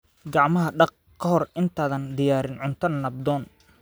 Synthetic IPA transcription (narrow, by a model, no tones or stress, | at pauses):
ɡɑʕmɐɦɐɖɑq̚ | kʰɐɦɔrɪnt̪ʰaːðɐnd̪ɪjaːɾɪnʕʊnt̪ʰɐnːɐbd̪ɔːn